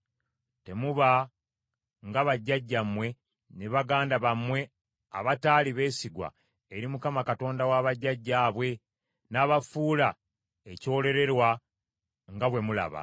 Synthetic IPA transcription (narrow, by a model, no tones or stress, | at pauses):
te̞muβa | ŋɡaβaɟːaɟːamwe̞ | neβaɡaːndaβamwe̞ | a̰βataːliβe̞ːsiɡwa̰ | eɾimukamakato̞ːndawaβaɟːaɟːaːβwe̞ | naːβafuːla | ecoːle̞ɾe̞ɾwa | ŋɡaβwe̞mula̰βa̰